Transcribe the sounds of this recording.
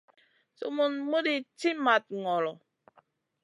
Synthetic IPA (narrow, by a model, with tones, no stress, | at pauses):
so̰˦mo˨nmo˦di˨ti˦ma˨t̚ŋɔ˨lɔ˨